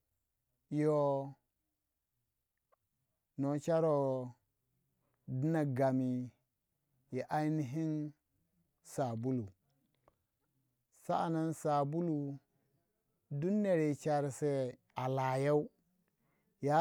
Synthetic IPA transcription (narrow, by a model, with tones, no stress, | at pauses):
jo˨ | no˨t͡ʃa˦ɾo˨ | di˦na˨ɡa˨mi˨ | ji˨ʔa˦ni˦ɦi˦n | sa˨bu˦lu˨ | sa̰˦a˨na˦nsa˨bu˦lu˨ | du˦nːe˨ɾe˨t͡ʃa˨ɾse˦ | a˨la˨ja˦u˦ | ja˦